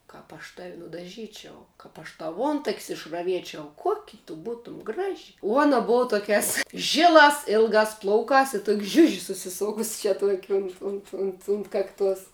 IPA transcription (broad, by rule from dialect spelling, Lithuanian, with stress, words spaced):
ˈkɐp ɐʃ tɐw nʊdɐˈʒʲiːt͡ʃʲɛʊ ˈkɐp ɐʃ ˈtɐʊ ˈuɔntɐkʲsʲ ɪʃrɐˈʋʲiɛt͡ʃʲɛʊ ˈkuɔkʲɪ tʊ ˈbuːtʊm ˈɡrɑːʒʲɪ uɔ ˈuɔnɐ ˈbʊʋɐ ˈtoːkʲæːs ˈʒʲɪlˠɑːs ˈɪlˠɡɑːs ˈplˠɐʊkɑːs ɪ tʊkʲ ˈʒʲʊʒʲɪ sʊsʲɪˈsoːkʊs t͡ʃʲɛ tuɔkʲ ʊnt ˈʊnt ʊnt ʊnt ˈkɑːkˌtuɔs